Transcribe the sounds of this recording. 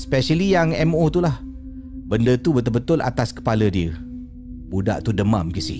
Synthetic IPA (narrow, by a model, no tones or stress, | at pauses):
spɛʃəlijaŋɛmot̪ulah | bəndət̪ubət̪ʊlbət̪ʊlʔa̰t̪askə̥palədiə | buda̰ʔt̪udəmamkisḭ